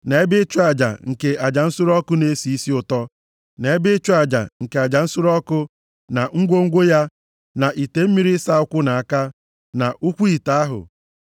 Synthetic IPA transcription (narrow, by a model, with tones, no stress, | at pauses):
ne˨e˦bɪ˦t͡ʃʊ˦a˨d͡ʒa̰˨ŋ̩˨ke˨a˨d͡ʒa˨n̩˦sʊ˦ɾɔ˦kʊ˦ne˦si˨i˦si˦ʊ˨tɔ˦ | ne˨e˦bɪ˦t͡ʃʊ˦a˨d͡ʒa̰˨ŋ̩˨ke˨a˨d͡ʒa˨n̩˦sʊ˦ɾɔ˦kʊ˦ | na˨ŋ̩˦ɡʷo˦ŋ̩˦ɡʷo˦ja˦ | na˨ʔi˨te˨m̩˦mi˦ɾi˦sa˦ʊ˦kʷʊ˦na˨a˨ka˦ | na˨ʔu˦kʷu˦i˨ta˦a˦ɦʊ̰˨